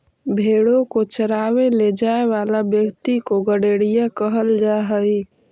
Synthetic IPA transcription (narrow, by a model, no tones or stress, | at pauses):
bʱeːɽokot͡ʃəɾaːweled͡ʒaːeʋaːlabjəkt̪ikoɡəɽeːɽijakəɦəld͡ʒaɦəi